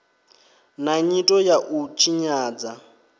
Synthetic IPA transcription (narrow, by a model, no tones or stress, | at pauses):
naɲitʼɔjaʔut͡ʃʰiɲaːd͡za